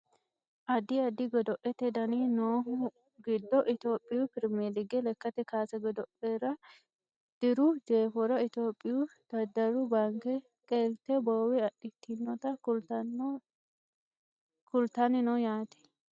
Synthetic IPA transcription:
ʔɐd̪ɪɐd̪ɪɡɔd̪ɔʔɛt̪ɛd̪ɐninoː | ɡɪd̪ːɔʔɪt̪oːpʼːɪjʊpɪɾmed̪ɪɡɛlɛkːɐt̪ɛkaːsɛɡɔd̪ɔʔɛɾɐ | d̪̥ɪɾʊd͡ʒ̪eːfɔɾɐɪt̪oːpʼːɪjʊd̪̥ɐd̪ːɐɾʊbaːŋkɛ | kʼelt̪ɛbowɛɐɗːɪt̪ːɪnːɔt̪ɐ | kʊlt̪ɐnɪnɔjaːt̪ɛ̥

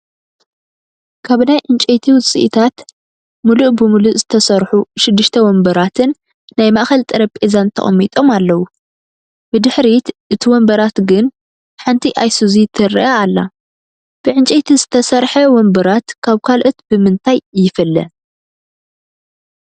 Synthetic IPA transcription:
kʰaβnajʕɨnt͡ʃʼet̪ʰiwʊt͡sʼḭʔt̪ʰat̪ | muluʔbɨmuluʔzɨt̪ʰɐsɐɾħuʃɪd̪ːɨʃt̪ʰɐwɔmbɐɾat̪ʰɨnː | ajmaʔxɐlt̪ʼɨɾɐpʼezant̪ʰɐ̰χʼɐmːit̪ʼo̞malːɐwu | b̥ɨd̪ɨħɾit̪ʔɨt̪ʰiwɔmbɐɾat̪ɡɨn | ħant̪ʰiʔajsuzit̪ʰɨrḭʔaːlːa | b̥ɨʕɨnt͡ʃʼet̪ʰizɨt̪ʰɐsɐɾħɐwɔmbɐɾat̪kʰaβkʰalʔot̪bɨmɨnt̪ʰajjːɪfɨlːɐ̰

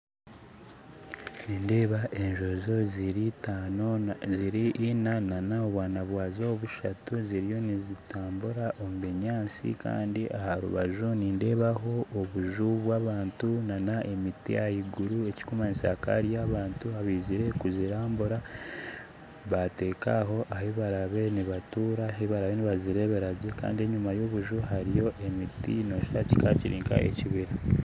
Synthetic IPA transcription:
niːnde̞ːβaʔe̞ɲʒo̞zo̞zɾioziɾiʔːnananaoβwaːnaβwaːzooβuʃatuziɾijo̞nizitʰaːmbuɾaʔomuβeɲaːnsḭka̰ːndiʔahaɾṵβaʒuniːnde̞ːβaɦo̞ʔːβuʒuβwaːβaːntunanaʔe̞mitḭjahiɡuɾue̞ci̥kumanisa̰ka̰ɾijaβaːntuaβiːziɾe̞kuziɾaːmbuɾa | βate̞ːkaɦo̞ʔaheβaɾaβe̞niβatuːɾaɦeβaɾaβeniβaziɾe̞βeɾaɟeka̰ːndie̞ɲumajo̞ːβuʒuɦaɾijo̞ʔe̞mitḭno̞ːʃaci̥kaciɾiːŋka̰ʔe̞̰ciβiɾa

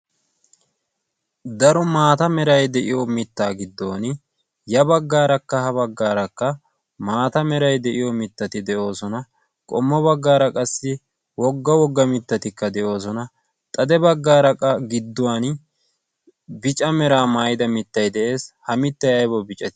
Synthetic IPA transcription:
d̪ɐɾɔmaːt̪ɐmɛɾɐjd̪ɛʔɪjɔmɪt̪ːaːɡɪd̪ːo̞ːn | jɐbɐɡːaːɾɐkːɐɦɐβɐɡːaːɾɐkːɐ | maːt̪ɐmɛɾɐjd̪ɛʔɪjɔmɪt̪ːɐt̪ɪd̪ɛʔo̞ːsɔnɐ | kʼɔmːɔbɐɡːaːɾɐkʼɐsːɪ | wɔɡːɐwɔɡːɐmɪt̪ːɐt̪ɪkːɐd̪ɛʔo̞ːsɔnɐ | t̪ʼɐd̪ɛbɐɡːaːɾɐkʼːɐɡɪd̪ːʊwaːn | bɪt͡ʃʼɐmɛɾaːmaːjɪd̪ɐmɪt̪ːɐjd̪ɛʔe̞ːshɐmɪt̪ːɐjɐjbɔbɪt͡ʃʼɐt̪ɪ̥

